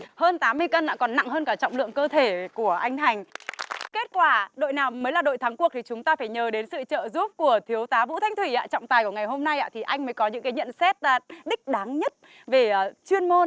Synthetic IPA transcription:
həː˧nt̪aː˨˦mːɨ˧əjkə˧nla̰ː˧˨kɔ˨˩nːa̰˧˨ŋhəː˧nkaː˧˩t͡ɕɔ̰˧˨wŋ͡mlɨ̰˧˨əŋkəː˧t̪ʰe˧˩ku˧˩əʔa˧jŋ̟ha˨˩jŋ̟ke˦˥t̚kwaː˧˩ɗo̰˧˨jnaː˨˩wməː˨˦jlaː˨˩ɗo̰˧˨jt̪ʰa˨˦ŋku˨˩ək̚t̪ʰi˨˩t͡ɕʊ˨˦ŋ͡mt̪aː˧faː˧˩jɲəː˨˦ɗe˨˦nsɨ̰˧˨t͡ɕə̰ː˧˨zu˦˥p̚ku˧˩ət̪ʰi˨˦əwt̪aː˨˦vṵ˧˥t̪ʰa˨˧jŋ̟t̪ʰwi˧˩ʔa̰ː˧˥t͡ɕɔ̰˧˨wŋ͡mt̪aː˨˩jku˧˩əŋa˨˩jɦo˧mna˧jʔa̰ː˧t̪ʰi˨˩ʔa˧jŋ̟məː˨˦jkɔ˨˦ɲɨ̰˧˥ŋkaː˨˦jɲə̰˧˨nsɛ˦˥t̚ːɗï˦˥k̟̚ɗaː˨˦ŋɲə˦˥t̚ | ve˨˩˨t͡ɕwi˧ənmo˧n

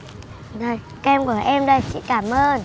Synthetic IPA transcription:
ɗəː˨˩ | kɛ˧mku˧˩əʔɛ˧mɗə˨˩t͡ɕḭ˧˥kaː˧˩mʔəː˧n

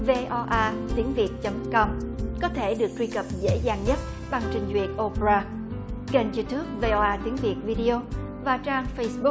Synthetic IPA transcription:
ve˧ʔɔ˧ʔaː˧t̪i˨˦əŋvi˨˩ət̚t͡ɕə˨˦mkɔ˧mkɔ˨˦t̪ʰe˧˩ɗɨ˨˩ək̚t̪wi˧kə˨˩p̚zḛ˧˥zaː˨˩ŋɲə˦˥t̚ | ɓa˧˩ŋt͡ɕï˧˩ŋ̟zwi˨˩ət̚ʔo˧pe˧ɾaː˧˩ | ɣə˨˩nzi˧t̪u˦˥əp̚ve˧ʔɔ˧ʔaː˧t̪i˨˦əŋvi˨˩ət̚vi˧ɗi˧ʔo˧ | vaː˨˩t͡ɕaː˧ŋfə˧jsɓu˦˥k̚

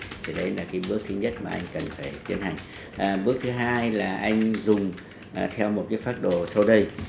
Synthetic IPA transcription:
t̪ʰi˨˩ɗə˨˦jlaː˨˩kaː˨˦jɓɨ˦˥ək̚t̪ʰɨ˨˦ɲə˦˥t̚maː˨˩ʔa˧jŋ̟kə˨˩nfaː˧˩jt̪ḭ˧˦ənɦa˨˩jŋ̟ | ʔɓɨ˦˥ək̚t̪ʰɨ˨˦ɦaː˧jlaː˨˩ʔa˧jŋ̟zʊ˨˩ŋ͡m | t̪ʰɛ˧wmo˨˩t̚kaː˨˦jfaː˦˥t̚ɗo˧˩sa˧wɗə˧j

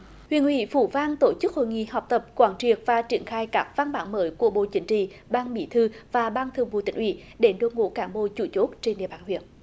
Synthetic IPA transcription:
hwi˧˨ənʔwḭ˧˥fu˧˩vaː˧ŋt̪o˧˩t͡ɕɨ˦˥k̚ho̰˧˨jŋḭ˧˨ha˨˩wk͡p̚t̪ə˨˩p̚kwaː˨˦nt͡ɕi˨˩ək̚vaː˨˩t͡ɕi˧˩ənxaː˧jkaː˦˥k̚vaː˧nɓaː˨˦nməː˨˦jku˧˩əɓo̰˧˨t͡ɕï˨˦ŋ̟t͡ɕḭ˧˨ | ɓaː˧nɓḭ˧˦t̪ʰɨ˧vaː˨˩ɓaː˧nt̪ʰɨ˨˩əŋvṵ˧˩t̪ï˧˦ŋ̟ʔwḭ˧˥ | ɗe˨˦ɗo˨˧˦ŋo̰˧˦kaː˨˦nɓo̰˧˨t͡ɕu˧˩t͡ɕo˦˥t̚t͡ɕe˧nɗḭ˧˨əɓaː˨˩nhwi˧˨ən

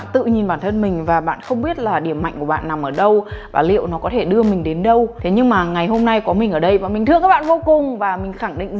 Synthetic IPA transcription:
t̪ɨ̰˧˨ɲi˨˩nɓaː˧˩nt̪ʰə˧nmï˨˩ŋ̟vaː˨˩ɓa̰ː˧˨nxə˧wŋ͡mɓi˦˥ət̚laː˨˩ɗi˧˩əmːa̰˧˨jŋ̟ku˧˩əɓa̰ː˧˨nːa˨˩mʔəː˧˩ɗə˧wvaː˨˩lḭ˧˨əwnɔ˨˦kɔ˨˦t̪ʰe˧˩ɗɨ˧əmï˨˩ŋ̟ɗe˨˦nɗə˧wt̪ʰe˨˦ɲɨ˧ŋmaː˨˩ŋa˨˩jɦo˧mna˧jkɔ˨˦mï˨˩ŋ̟ʔəː˧˩ɗə˧jvaː˨˩mi˨˩ŋ̟t̪ɨ˧əŋkaː˦˥ɓa̰ː˧˨vo˧wkʊ˨˩ŋ͡mvaː˨˩mï˨˩ŋ̟xa˧˩ŋɗḭ̈˧˨ŋ̟

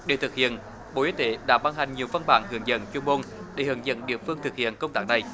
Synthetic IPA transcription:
ɗḛ˧˩t̪ʰɨ˨˩k̚hḭ˧˨ən | ɓo̰˧˨ʔi˨˦t̪e˨˦ɗa̰ː˧˥ɓaː˧nɦa˨˩jŋ̟ɲi˨˩əwva˧nɓa̰ː˧˩nhɨ˨˧˩əŋzə̰˧˥nt͡ɕu˧mo˧nɗe˧˩hɨ˨˩əŋzə̰˧˨˥nɗḭ˧˨əfɨ˧əŋt̪ʰɨ˨˩k̚hḭ˧˨ənkə˧wŋ͡mt̪aː˦˥k̚na˨˩j

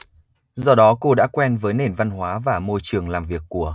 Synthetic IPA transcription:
zɔ˧ɗɔ˨˦ko˧ɗa̰ː˧˥kwɛ˧nvəː˨˦jne˨˩nva˧nɦwaː˨˦vaː˨˩mo˧jt͡ɕɨ˨˩əŋlaː˨˩mvi˨˩ək̚ːu˧˩ə

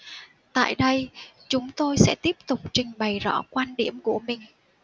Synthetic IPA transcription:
t̪a̰ː˧˨jɗə˧jt͡ɕʊ˨˦ŋ͡mt̪o˧jsɛ̰˧˥t̪i˦˥əp̚t̪ʊ˨˩k͡p̚t͡ɕï˧˩ŋ̟ɓa˨˩jzɔ̰˧˥kwaː˧nɗi˧˩əmku˧˩əmï˨˩ŋ̟

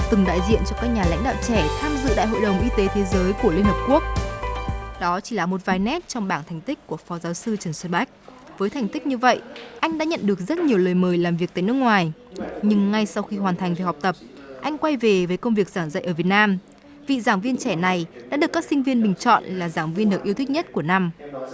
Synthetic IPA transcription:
t̪ɨ˨˩ŋɗa̰ː˧˨jzḭ˧˨ənt͡ɕɔ˧kaː˦˥k̚ɲaː˨˩la̰˧˥jŋ̟ɗa̰ː˧˨wt͡ɕɛ˧˩t̪ʰaː˧mzɨ̰˧˨ɗa̰ː˧˨jɦo̰˧˨jɗə˨˩wŋ͡mʔi˧t̪e˨˦t̪ʰe˨˦zəː˨˦jku˧˩əli˧ənhəː˨˩p̚ku˦˥ək̚ | ɗɔ˨˦t͡ɕi˧˩laː˨˩mo˨˩t̚vaː˨˩jnɛ˦˥t̚t͡ɕɔ˧wŋ͡mɓaː˧˩nt̪ʰɛ˨˩jŋ̟t̪ï˦˥k̟̚kːu˧˩əfɔ˨˦zaː˨˦wsɨ˧t͡ɕə˨˩nswɛ˧nɓa˦˥jk̟̚ | vəː˨˦jt̪ʰa˨˩jŋ̟t̪ï˦˥k̟̚ɲɨ˧və̰˧˨jʔa˧jŋ̟ɗa̰ː˧˥ɲə̰˧˨nɗɨ˨˩ək̚zə˦˥t̚ɲi˨˩əwləː˨˩jməː˨˩jlaː˨˩mvi˨˩ək̚t̪ːjnɨ˦˥ək̚ŋwaː˨˩jɲɨ˧ŋŋa˧jsa˧wxi˧ɦwaː˨˩nt̪ʰa˨˩jŋ̟ve˨˩hɔ˨˩wk͡p̚t̪ə˨˩p̚ | ʔa˧jŋ̟kwa˧jve˨˩vəː˨˦jkə˧wŋ͡mvi˨˩ək̚zaː˧˩nzə̰˧˨jʔəː˧˩vi˨˩ət̚naː˧m | vḭ˧˨zaː˧˩ŋvi˧ənt͡ɕɛ˧˩na˨˩jɗa̰ː˧˥ɗɨ˨˩əkːaː˦˥k̚sï˧ŋ̟vi˧ənɓï˨˩ŋ̟t͡ɕɔ̰˧˨nlaː˨˩zaː˧˩ŋvi˧nɗɨ˨˩ək̚ʔəwt̪ʰi˦˥k̚ɲ˦˥t̚ku˧˩əna˧m

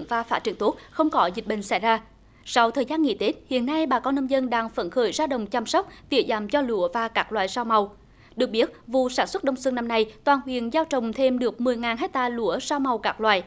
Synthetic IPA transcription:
ŋvaː˨˩faː˧˥t͡ɕi˧˩əŋt̪u˦˥t̚xə˧wŋ͡mkɔ˨˦zi˨˩ɓï˧˨ŋ̟sa̰˧˥jzaː˧ | sa˧wt̪ʰəː˨˩jzaː˧nŋḭ˧˥t̪e˨˦˥t̚hḭ˧˨ənːa˧jɓaː˨˩kɔ˨˦nːə˧mzə˧nɗaː˧ŋfə̰˧˥˩nxəː˧˩jzaː˧ɗə̰˧˨wŋ͡mt͡ɕa˧msɔ˦˥wk͡p̚t̪i˧˩əzaː˨˩mt͡ɕɔ˧lṵ˧˩˥əvaː˨˩kaː˦˥k̚lwa̰ː˧˨jzaː˧wma˨˩w | ɗɨ˨˩ək̚ɓi˦˥ət̚vṵ˧˨saː˧˩nswə˦˥t̚ɗə˧wŋ͡msɨ˧əŋna˧mna˧jt̪waː˨˩nhwi˨˧˨ənzaː˧wt͡ɕə̰˧˨wŋ͡mt̪ʰe˧mɗɨ˨˩ək̚mɨ˨˩əjŋaː˨˩nɦe˦˥t̚t̪aː˧lṵ˧˥əzaː˧wma˨˩wkaː˦˥k̚lwa̰ː˧˨j

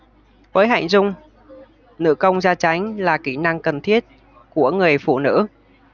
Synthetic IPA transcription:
vəː˨˦jɦa̰ː˧˨ŋ̟zʊ˧ŋ͡m | nɨ̰˧˥kə˧wŋ͡mzaː˧t͡ɕa˨˦jŋ̟laː˨˩ki˧˩na˧ŋkə˨˩nt̪ʰi˦˥ət̚ | ku˧˩əŋɨ˨˩əjfṵ˧˨nɨ̰˧˥

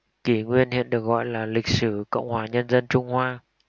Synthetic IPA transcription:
ki˨˦ŋwi˧ənhḭ˧˨ənɗɨ˨˩ək̚ɣɔ̰˧˨jlaː˨˩lï˨˩k̚sɨ˧˩˦kə̰˧˨wŋ͡mhwaː˧˩ɲə˧nzə˧nt͡ɕʊ˧ŋ͡mhwaː˧

